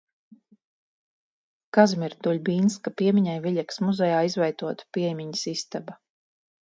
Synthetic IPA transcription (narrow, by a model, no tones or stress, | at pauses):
kazmʲiɾt̪uʎʲbʲiːnskapiɛmʲiɲajvʲiʎʲɛksmuzɛjaːizvɛjt̪uɔt̪pʲiɛjmʲiɲisist̪aba